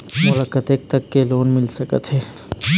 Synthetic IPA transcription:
mʊlakət̪ek̚t̪ɐkːeloːnmɪlsɐkə̰t̪ɦɛː

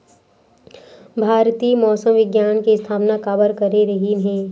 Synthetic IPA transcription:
bʱaːɾt̪iːmɔːsəmʋɪɡjaːnkiɪst̪ʰaːpnakaːbəɾkɐɾeɾɐɦiɦɛ̃ː

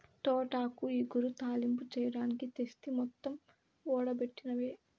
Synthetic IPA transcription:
ʈ̪ɔːʈaːkuiːɡuɾut̪aːlimput͡ʃɛːjɐɽaːnikit̪est̪imɔt̪ːɐm | ɔːɽɐbe̞ʈːinɐʋeː

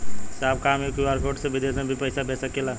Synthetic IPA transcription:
sab̚kamekiaɾkʰoʈsẽbid̪esmebʱipəɪsabesəkela

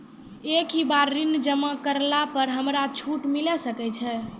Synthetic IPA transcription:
ekibaɾːind͡ʒəmakəɾlapəɾɦəmɾat͡ʃʰuʈmilɛsəkɛt͡ʃʰɛ

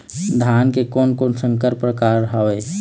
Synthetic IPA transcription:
d̪ʱaːnkekɔːnkoːnsə̃ŋkəɾpɾəkaːɾɾɦəʋe

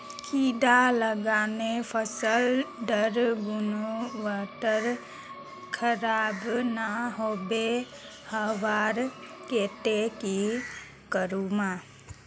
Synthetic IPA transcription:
kʰid̪aləɡaːnepʰəsəlɖəɾɡunoʋaːʈəɾ | kʰəɾaːbnaɦoːbe | həʋaːɾkeːʈ̪eki | kəɾuma

